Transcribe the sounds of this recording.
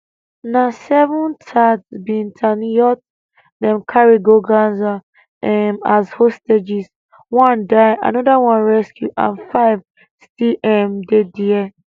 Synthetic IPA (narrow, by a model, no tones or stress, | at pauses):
nasɛvɔ̃ntʰadbĩntʰanjɔt̚ | dɛ̃mkʰaɹiɡoɡãnza | ɛmashosted͡ʒis | wɔ̃ndaja̰nɔdawãnɹɛskjuʔã̰nfaɪv | stiʔɛmdediɛ